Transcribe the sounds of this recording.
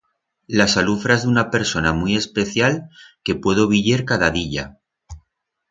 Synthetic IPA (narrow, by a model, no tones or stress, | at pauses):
lasalufɾaezðunape̞ɾso̞namuie̞spe̞θjalke̞pwe̞ð̞oβiʎe̞ɾkaðaðiʎa